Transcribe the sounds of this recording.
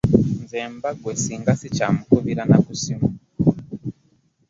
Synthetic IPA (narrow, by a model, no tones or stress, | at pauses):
nzembaɡwesiŋɡasit͡ʃamukuβiɾanakusimu